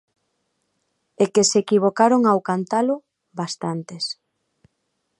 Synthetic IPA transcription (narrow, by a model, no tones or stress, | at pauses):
ekesekiβ̞okaɾoŋawkant̪alo | bast̪ant̪es